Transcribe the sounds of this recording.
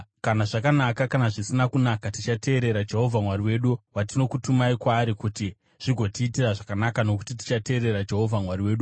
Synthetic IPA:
kanaʐakanakakanaʐisinakunakatit͡ʃate̞ːɾe̞ɾad͡ʒe̞ɦo̞vʱamwaɾiwe̞ɗuwatino̞kutumaikwaːɾikuti | ʐ̥iɡʱo̞tiːtiraʐakanakano̞ku̥titi̥t͡ʃate̞ːɾe̞ɾad͡ʒe̞ɦo̞vʱamwariwe̞ːɗu

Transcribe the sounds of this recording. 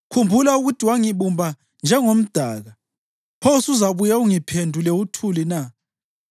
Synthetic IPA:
kʰumbʱulauɣutʰiwaŋiβumbʱa | nd͡ʒʱɛŋom̩d̥ʱaːɣa | pʰosuzaβujauŋipʰendʱulɛutʰulina

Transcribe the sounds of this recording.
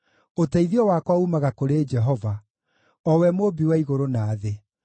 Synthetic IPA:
otaiðiɔwaːkwaumaɣakoɾed͡ʒɛɦɔva | ɔwɛmoːbiwaiɣoɾonaːðe

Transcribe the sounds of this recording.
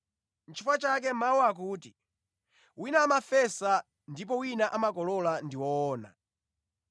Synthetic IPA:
n̩t͡ʃʰifat͡ʃak̬ɛmauak̬uːti | winaːmafɛsa | ndip̬ɔwinaʔamakɔlɔlandiwɔːna̰

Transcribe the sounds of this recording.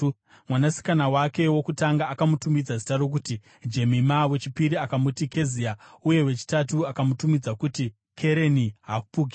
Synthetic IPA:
mwanasi̥kanawake̞wo̞kutaŋɡaːkamutumid͡zazitaro̞k̬uti | d͡ʒe̞mimawe̞t͡ʃipiɾiakamutike̞ziauje̞we̞t͡ʃi̥tatuakamutumid͡zakuti | kʰe̞ɾe̞niɦaːkupuɡʱi

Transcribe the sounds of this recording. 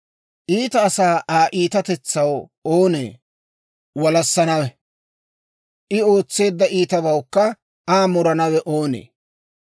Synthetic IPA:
ʔiːt̪ɐːsaːʔaːʔiːt̪ɐt̪ɛt͡sːɐwoːnḛː | wɐlɐsːɐnɐwɛ | ʔɪo̞ːt͡sːe̞ːd̪ːɐʔiːt̪ɐβɐwkːɐ | aːmɔɾɐnɐwɛʔoːnḛː

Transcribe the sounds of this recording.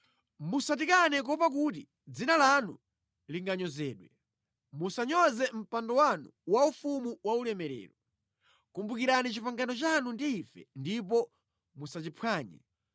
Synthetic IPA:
musat̬ikanɛk̬ɔpak̬ut̬i | d͡zinalanṵ | liŋɡaɲɔzɛːɗwɛ | musaɲɔzɛm̩pandɔwanṵwaufumuwaulɛmɛɾɛ̰ːɾɔ | kumbukiɾanit͡ʃipaŋɡanɔt͡ʃanundiːfɛ̰ndip̬ɔ | musat͡ʃipʰwaːɲɛ̰

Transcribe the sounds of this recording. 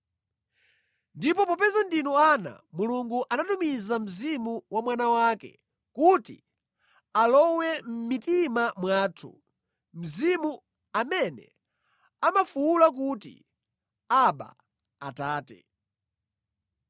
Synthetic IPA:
ndipɔpɔpɛzandinɔana̰ | muluŋɡuʔanatumizam̩zimuwamwanawakɛ̰ | kutḭ | alɔwɛm̩mitimamwaːtʰṵ | m̩zimu | amɛnɛ̰ | amafuulak̬utḭ | aɓa̰ | ataːtɛ̰

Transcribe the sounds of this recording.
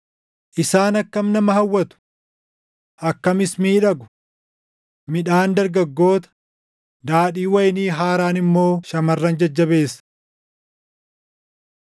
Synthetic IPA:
ʔɪsaːnɐkːɐmnɐmɐɦɐwːɐt̪ʊ̥ | ʔɐkːɐmɪsmiːᶑɐɡʊ̥ | mɪᶑaːnd̪ɐɾɡɐɡːo̞ːt̪ɐ̥ | d̪aːᶑiːwɐjniːɦaːɾaːnɪmːo̞ːʃɐmɐrːɐnd͡ʒɐd͡ʒːɐbe̞ːs

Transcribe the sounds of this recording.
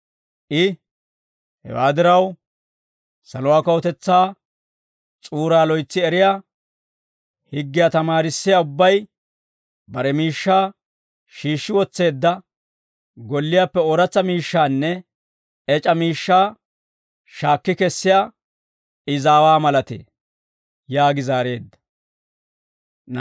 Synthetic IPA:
ʔɪ | hɛ̰wa̰ːd̪ɪɾɐw | sɐlʊwaːkɐwɔt̪ɛt͡sːaː | t͡sʼuːɾaːlɔjt͡sːɪɛɾɪjaː | hɪɡːɪjaːt̪ɐmaːɾɪsːɪjaʊbːɐj | bɐɾɛmiːʃːaː | ʃiːʃːɪwɔt͡sːe̞ːd̪ːɐ | ɡɔlːɪjaːpːɛoːɾɐt͡sːɐmiːʃːaːnːɛ | ɛt͡ʃʼɐmiːʃːaː | ʃaːkːɪkɛsːɪjaː | ɪzaːwaːmɐlɐt̪ḛː | jaːɡɪzaːɾe̞ːd̪ːɐ̥

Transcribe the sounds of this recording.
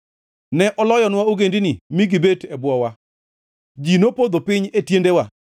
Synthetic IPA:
nɛʔɔlɔjɔnwaoɡendinimiɡibetɛbʊɔwa | d͡ʒinopod̪opɪɲetjendewa

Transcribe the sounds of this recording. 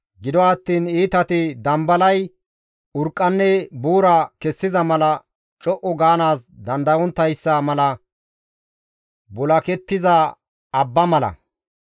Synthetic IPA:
ɡɪd̪ɔɐt̪ːiːniːt̪ɐt̪ɪd̪ɐmbɐlɐj | ʊɾkʼːɐnːɛbuːɾakɛsːɪzɐmɐlɐ | t͡ʃʼɔʔɔɡaːnaːsd̪ɐnd̪ɐwɔnt̪ːɐjsːɐmɐlɐ | bɔlɐkɛt̪ːɪzɐ | ɐbːɐmɐlɐ̰

